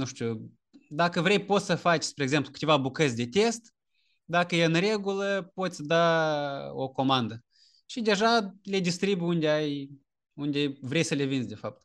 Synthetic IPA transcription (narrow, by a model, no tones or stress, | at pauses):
nuʃt̪ʲu | d̪akəvɾe̞jpo̞t̪ssəfat͡ʃspɾeːɡze̞mplukɨ̥t̪e̞vabukət̪sʲd̪e̞t̪e̞st̪ | d̪akəjeɨnre̞ɡuləpo̞t̪sʲd̪a | o̞ko̞mand̪ə | ʃid̪e̞ʒale̞d̪ist̪ɾibjund̪eaj | und̪ʲevɾe̞jsəlevinzʲd̪ʲe̞fap̚t̪